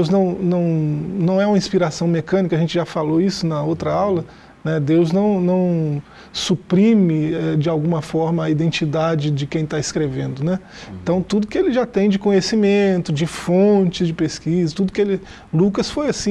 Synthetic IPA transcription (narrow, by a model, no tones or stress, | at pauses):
ewznɐ̃w̃nɐ̃w̃nɐ̃w̃ɛũmɐĩspiɾasɐ̃w̃mekɐ̃nikɐʒẽnt͡ʃɪʒafaloisʊnɐowt̪ɾɐawlɐ | nɛd̪ewznɐ̃w̃nɐ̃w̃ | supɾĩmɪɛd͡ʒɪawɡũmɐfɔɾmɐːid̪ẽnt͡ʃid̪ad͡ʒɪd͡ʒɪkẽj̃t̪aɪskɾevẽnd̪ʊnɛ | ẽnt̪ɐ̃w̃t̪ud̪ʊkɪelɪʒat̪ẽj̃d͡ʒɪkõɲesimẽnt̪ʊd͡ʒɪfõt͡ʃɪzd͡ʒɪpeskizɐt̪ud̪ʊkɪelɪ | lukɐsfojasĩ